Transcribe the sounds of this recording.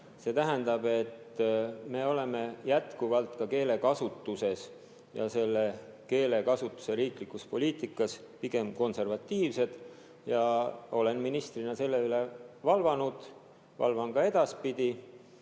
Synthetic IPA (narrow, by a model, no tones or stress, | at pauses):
se̞t̪æɦænd̪ɑb̥e̞t̪ːme̞ːo̞le̞me̞jæt̪kuvɑlt̪ˑkɑke̞ːle̞kɑsut̪ːˑuse̞s | jɑ̰se̞lːe̞ke̞ːle̞kɑsut̪ːˑu̥se̞ɾiːklikːuspo̞lʲiːt̪ˑikːˑɑs | piɡ̥e̞mko̞nse̞rvɑt̪ːˑiːvse̞d̪̥ | jɑo̞le̞nminist̪rinɑse̞lːe̞yle̞vɑlvɑnud̪̥ | vɑ̰lvɑnɡ̥ɑe̞d̪̥ɑspid̪̥i